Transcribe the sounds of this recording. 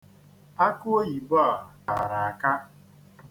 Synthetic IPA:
a˦ko˦o˦ji˨bɔ˦˨ka̰˨ɾa˨a˨ka˦

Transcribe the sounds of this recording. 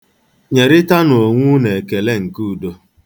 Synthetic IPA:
ɲe˨ɾɪ˦ta˦no˨ŋʷu˦ne˨ke˨le˦ŋ̩˨ku˦˨do˦

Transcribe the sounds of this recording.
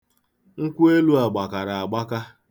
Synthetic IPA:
ŋ̩˦kʷu˦e˦lu˦a˨ɡ͡ba˨ka˨ɾa˨a˨ɡ͡ba˦ka˦

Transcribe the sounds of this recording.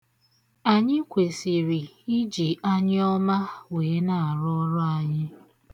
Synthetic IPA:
a˨ɲɪ˦kʷe˨si˨ɾi˨ | i˦d͡ʒi˨ʔa˦ɲɪ˦ɔ˦ma˦weː˨˦na˨a˨ɾʊ˦ɔ˦ɾɔ˦a˨ɲɪ˦

